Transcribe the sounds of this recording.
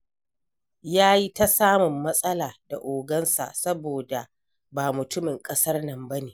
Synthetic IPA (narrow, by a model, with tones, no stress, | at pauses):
jaː˦ji˦ta˦saː˦mʊ˨mːɐ˦sʼɐ˦laː˨da̰˨ʔoː˨ɡɐ˦nsa̰˨sɐ˦boː˨da˨ | baː˨mʊ˨tʊ˦mɪ˨ŋkʼɐ˦sɐ˦rnɐ˨mbɐ˦neː˨